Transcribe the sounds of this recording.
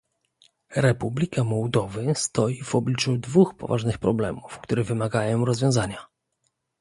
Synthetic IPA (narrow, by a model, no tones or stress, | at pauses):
ɾɛpublʲikamɔwd̪ɔvɘst̪ɔjivɔblʲit͡ʂud̪vuxpɔ̰vaʐnɘxpɾɔblɛmufkt̪uɾɘvɘmaɡajɔ̃w̃ɾɔzvʲjɔ̃w̃zaɲa